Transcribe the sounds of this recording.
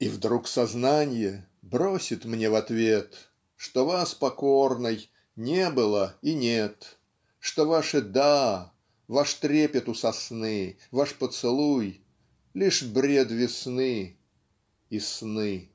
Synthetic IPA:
ivd̪ɾuksɐznanʲɪjəbɾosʲɪt̪mnʲevɐt̪vʲet̪ | ʂt̪ovaspɐkornɨj | nʲebɨlˠəinʲet̪ | ʂt̪ovaʂɨd̪a | vaʂt̪ɾʲepʲət̪ʊsɐsnɨ | vaʂpət̪sɨlˠuj | lʲiʂbɾʲed̪vʲɪsnɨ | isnɨ

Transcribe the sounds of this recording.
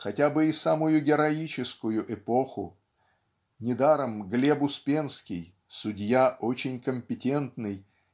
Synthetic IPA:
xɐtʲabɨɪsamʊjʊɡʲɪɾɐit͡ɕɪskʊjʊʔɪpo̞xʊ̰ | nʲɪd̪aɾəmɡlʲebʊspʲenskʲɪ̰j | sʊdʲjaʔot͡ɕɪnʲkəmʲpʲɪtʲe̞nt̪nɨj

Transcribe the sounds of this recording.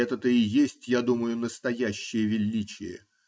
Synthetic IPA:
ɛt̪ət̪əɪjesʲtʲjad̪uməjʊnəst̪ɐjæɕːɪjəvʲɪlʲːit͡ɕɪ̰jə̰

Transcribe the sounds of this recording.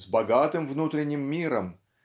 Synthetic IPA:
zbɐɡat̪ɨmvnut̪ɾʲɪnʲːɪmːʲiɾəm

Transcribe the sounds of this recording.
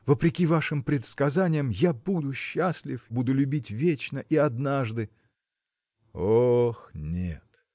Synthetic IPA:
vəpɾʲɪkʲivaʂɨmpɾʲɪt̪skɐzanʲɪjəmjabud̪ʊɕːasʲlʲɪfbud̪ʊlʲʉbʲitʲvʲet͡ɕnəʔiɐd̪naʐd̪ɨ | oxnʲḛt̪

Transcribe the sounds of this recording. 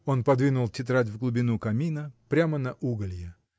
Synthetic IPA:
o̞npɐd̪vʲinʊlˠtʲɪt̪ɾatʲvɡlˠʊbʲɪnukɐmʲinəpɾʲamənɐʔuɡəlʲjɪ

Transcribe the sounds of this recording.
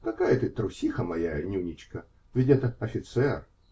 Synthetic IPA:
kɐkajət̪ɨt̪ɾʊsʲixəmɐjanʲunʲit͡ɕkə | vʲɪtʲɛt̪əɐfʲɪt̪sɛr

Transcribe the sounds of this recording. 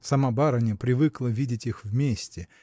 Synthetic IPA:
sɐmabaɾɐnʲɪpɾʲɪvɨklˠəvʲidʲɪtʲixvmʲesʲtʲɪ

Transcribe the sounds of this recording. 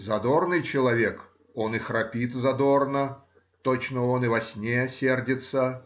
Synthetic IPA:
zɐd̪ornɨjt͡ɕɪlˠɐvʲek | o̞nɨxrɐpʲit̪zɐd̪o̞rnə | t̪ot͡ɕnəonɨvɐsʲnʲejəsʲerdʲɪt̪sə

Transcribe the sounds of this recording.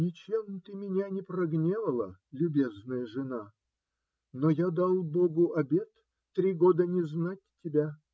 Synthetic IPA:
nʲɪt͡ɕemt̪ɨmʲɪnʲanʲɪpɾɐɡnʲevəlˠə̰lʲʊbʲeznəjəʐɨna | nojad̪ɑlˠboɡʊʔɐbʲe̞t̪ː | ɾʲiɡo̞d̪ənʲɪznatʲtʲːɪbʲa

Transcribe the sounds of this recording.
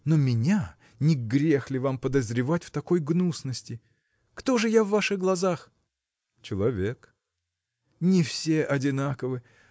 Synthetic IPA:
nomʲɪnʲa | nʲɪɡɡɾʲe̞xlʲɪvampəd̪əzɾʲɪvatʲft̪ɐko̞jɡnusnəsʲtʲɪ | kt̪o̞ʐɨjavːaʂɨɣɡlˠɐzax | t͡ɕɪlˠɐvʲe̞k | nʲɪfsʲe̞ʔɐdʲɪnakəvɨ

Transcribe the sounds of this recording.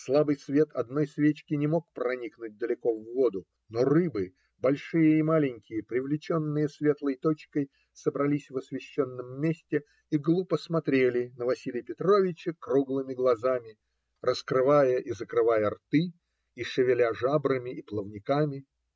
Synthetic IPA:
slˠabɨjsvʲe̞t̪ɐd̪no̞jsvʲet͡ɕkʲɪnʲɪmo̞k̚pɾɐnʲiknʊt̚ʲd̪əlʲɪko̞vːo̞d̪ʊ | no̞rɨbɨ | bɐlʲʂɨjəimalʲɪnʲkʲɪjəpɾʲɪvlʲɪt͡ɕo̞nːɨjəsvʲe̞t̪lˠəjt̪o̞t͡ɕkəj | səbɾɐlʲisʲvɐsvʲɪɕːo̞nːəmːʲesʲtʲɪ | iɡlˠupəsmɐt̪ɾʲelʲɪnəvɐsʲilʲɪjpʲɪt̪ɾo̞vʲɪt͡ɕəkruɡlˠɨmʲɪɡlˠɐzamʲɪ | rʔəskɾɨvajəʔizəkɾɨvajərt̪ɨ | iʂɨvʲɪlʲaʐabɾəmʲɪʔiplˠəvnʲɪkamʲɪ

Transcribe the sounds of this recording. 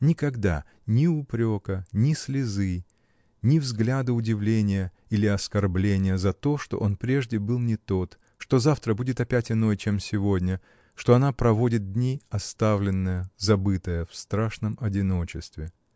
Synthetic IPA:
nʲɪkɐɡd̪a̰ | nʲɪʊpɾʲo̞kənʲɪsʲlʲɪzɨ | nʲɪvzɡlʲad̪ɨʊdʲɪvlʲenʲɪjə | ilʲɪɐskɐrblʲenʲɪjəzɐt̪o̞ʂt̪o̞ʔo̞npɾʲeʐdʲɪbɨlˠnʲɪt̪o̞t̪ | ʂt̪o̞zaft̪ɾəbudʲɪt̪ɐpʲætʲɪno̞jt͡ɕe̞msʲɪvo̞dʲnʲə | ʂt̪oɐnapɾɐvo̞dʲɪt̪̚dʲnʲiɐst̪avlʲɪnːəjəzɐbɨt̪əjəfst̪ɾaʂnəmɐdʲɪno̞t͡ɕɪst̪vʲɪ

